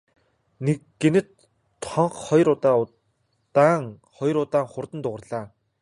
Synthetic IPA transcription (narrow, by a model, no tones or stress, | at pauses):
nekɡenɘ̆t̪ʰ | ɔɴχχɔjɾʊt̪aː | t̪aːŋ | χɔj̆ɾʊt̪aːŋχʊrt̪ə̆nt̪ʊʁə̆rɮaː